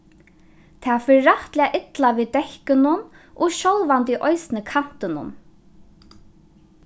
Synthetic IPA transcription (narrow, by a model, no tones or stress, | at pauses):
t̪ʰaːfɪːɾaht̪lɪaʔɪt̪laʋiːd̪ɛhkɪnʊn | ʔɔʃɔlʋant̪iʔɔjsnɪkʰan̥t̪ɪnʊ̰n